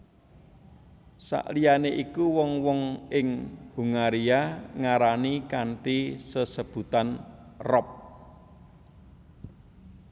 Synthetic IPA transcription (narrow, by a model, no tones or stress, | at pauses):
sa̰ʔlijaneʔikuwɔŋwɔŋɪŋhuŋaɾiaŋaɾanikaɳʈisəsəb̥ṳt̪anrɔp̚